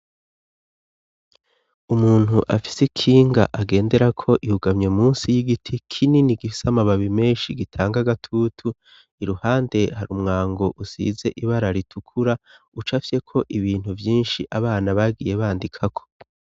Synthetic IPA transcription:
umuːn̥huʔafi̥sekʰiːŋɡa̰ʔaɡe̞ːnde̞ɾakʰo̞ʔihuɡamɲemuːnsijiɡitʰikʰininiɡifi̥samaβaβime̞ːnʃiɡitʰaːŋɡaɡatʰutʰu | iɾuhaːnde̞haɾumŋaːŋɡo̞ʔusḭːze̞ʔiβaɾaɾitʰukʰuɾa | ut͡ʃafje̞kʰo̞ʔiβiːn̥huvjiːnʃiʔaβaːnaβaɡije̞βaːndikʰakʰo̞̥

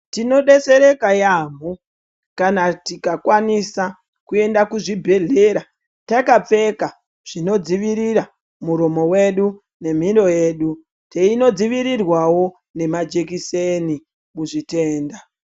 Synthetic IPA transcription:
tino̞ɗe̞se̞ɾe̞kajamo | kanatikakwanisa | kue̞ndakuʐibʱe̞ɮe̞ːɾa | takap͡fe̞ka | ʐ̥ino̞d͡ziʋiɾiɾa | muɾo̞mo̞we̞ɗu | ne̞m̤iɾo̞je̞ːɗu | teino̞d͡ziʋiɾirwawo̞ | ne̞mad͡ʒe̞kiseni | muʐite̞ːnda

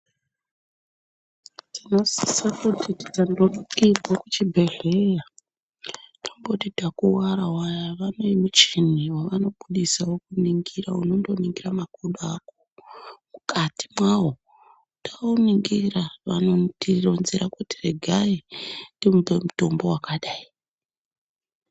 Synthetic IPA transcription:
tʰino̞sisakutʰiti̥tandoɗikibʱokut͡ʃibʱe̞ɮeja | tombo̞tidakuwaɾawajaʋano̞imut͡ʃeniwaʋano̞ɓuɗisawokuniŋɡiraunondo̞niŋɡiramakoɗuako̥mukati̥mwawo̞ | tḁuniŋɡiraʋanotironziɾakuti̥reɡʱaintdimubemuto̞mbo̞wakaɗaːi

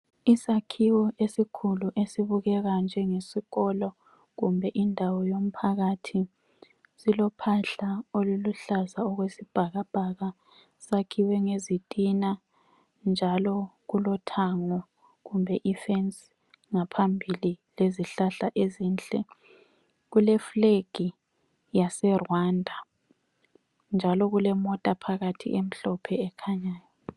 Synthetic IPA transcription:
isakʰiwɔʔesikʰuluʔesiβuɣɛɣand͡ʒʱɛŋesiɣɔlɔ | ɣumbʱɛʔindʱawɔjom̩pʰaɣatʰi | silɔpʰaɬaoluluɬazaɔɣwesib̥ʱaɣab̥ʱaɣa | sakʰiwɛŋezitʼina | nd͡ʒʱalɔɣulɔtʰaŋɔ | ɣumbʱɛʔifɛns | ŋapʰambʱilileziɬaɬaʔezint͡ɬʼɛ | ɣulɛfleɡ̥ʱi | jasɛrwandʱa | nd͡ʒʱalɔɣulɛmɔtʼapʰaɣatʰḭʔem̩ɬɔpʰɛɛkʰaɲaːjɔ

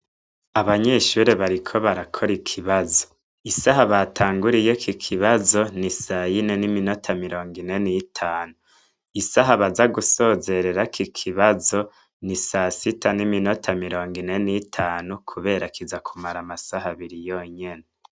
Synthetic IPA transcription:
aβaɲe̞ʃuɾeβaɾikʰo̞βaɾakʰo̞ɾikʰiβazo̞ | isaɦaβatʰaːŋɡuɾijo̞kʰikʰiβazo̞nisajine̞nimino̞tʰamiɾo̞ːŋɡine̞nitʰaːnu | isaɦaβazaɡuso̞ːze̞ɾe̞ɾakikʰiβazo̞ | nisasitʰanimino̞tʰamiɾo̞ːŋɡine̞nitʰaːnukʰuβe̞ːɾakʰizakʰumaɾamasaɦaβiɾijoɲe̞ne

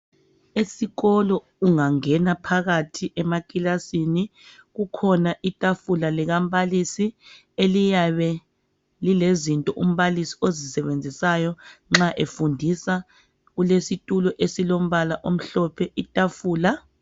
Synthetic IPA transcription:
esiɣɔlɔ | uŋaŋɛnapʰaɣatʰiʔɛmakʼilasiniɣukʰɔnaʔitʼafulaliɣam̩βalisi | elijaβɛ | lilezintʼɔʔum̩βalisiozisɛβend͡zʱisajɔŋ͡ǁaʔefundʱisa | ɣulesitʼulɔʔesilom̩βalaʔom̩ɬɔpʰɛʔitʼafuːla

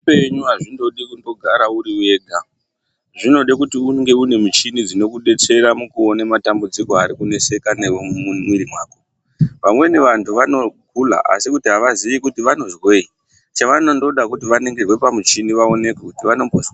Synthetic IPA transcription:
eɲuaʐindo̞ɗikundo̞ɡʱaɾauɾiwe̞ːɡʱa | ʐino̞ɗikutiuŋɡe̞une̞mit͡ʃinid͡zino̞kuɗe̞t͡se̞ɾamukuonematambud͡ziko̞aɾikune̞se̞kaneomumwiɾimwaːko | ʋamwe̞neʋantʰuʋano̞kula̰ʔa̰sikutiɦaʋaziʋikutiʋano̞zwe̞i | t͡ʃaʋanondo̞ɗakutiʋane̞ŋɡerwe̞pamut͡ʃiniʋao̞ne̞kekutiʋano̞mbʱoz

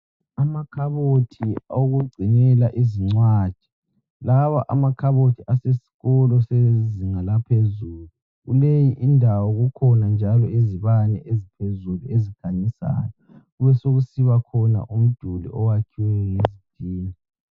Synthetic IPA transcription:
amakʰaβotʰioɣuɡ͡ǀʱinɛlaʔiziŋ͡ǀwad̥ʒ̥ʱi̥ | lawaʔa̰makʰaβotʰiasesi̥ɣɔlɔseziŋalapʰezuːlu | ɣulejiʔindʱawɔɣukʰɔnand͡ʒʱalɔiziβanɛ̰ʔezipʰezuluezikʰanisa̰ːjɔ | ɣuβɛsoɣusiβakʰɔna̰ʔum̩d̥ʱulḭʔɔwakʰiwɛŋezid̥ʱiːni

